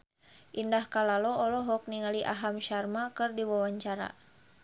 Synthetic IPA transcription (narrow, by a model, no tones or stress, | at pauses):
ʔindahkalalɔɔlɔɦɔk̚niŋaliʔa̰ɦamʃarmakɨrdiwawaɲt͡ʃaɾa̰